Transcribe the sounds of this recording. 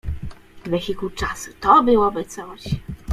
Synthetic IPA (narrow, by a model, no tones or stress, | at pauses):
vʲɛkʲilkut͡ʂasu̥t̪ɔbɘwɔbɘt̪sɔɕ